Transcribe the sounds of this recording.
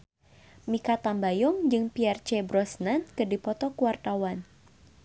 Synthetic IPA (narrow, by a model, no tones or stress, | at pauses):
mikat̪ambajɔŋd͡ʒɨŋpiart͡ʃɛbɾɔsnankɨdipɔt̪ɔkuwart̪awan